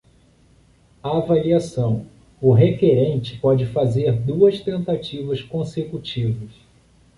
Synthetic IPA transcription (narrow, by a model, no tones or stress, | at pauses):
aːvaliasɐ̃w̃ | ʊɦekeɾẽnt͡ʃɪ̥pɔd͡ʒɪfazeɾd̪uɐst̪ẽnt̪at͡ʃivɐskõsekut͡ʃivɐs